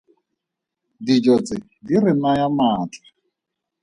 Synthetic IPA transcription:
did͡ʒɔt͡sʼɪ | dirɪmajamaːtʼḁ

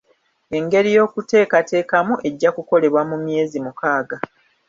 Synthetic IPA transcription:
e̞ŋɡe̞ɾijo̞ːkute̞ːkate̞ːkamuʔe̞ɟːakuko̞le̞βwamumje̞ːzimukaːɡa

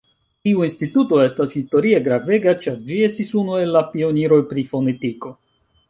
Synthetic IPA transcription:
tiuinstituto̞e̞stashisto̞ɾie̞ɡɾave̞ɡat͡ʃaɾd͡ʒie̞stisunue̞lːapio̞niɾo̞jpɾifo̞ne̞tiko

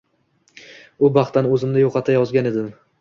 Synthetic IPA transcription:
ʊbɑχt̪anɵzɪmd̪ɪjoqʰɑt̪ʰajɒzɡʲane̞d̪ɪm

